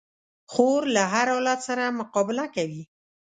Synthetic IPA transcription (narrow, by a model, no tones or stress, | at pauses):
xoɾlaɦaɾawlat̪saɾamʊqɑbɪlakawi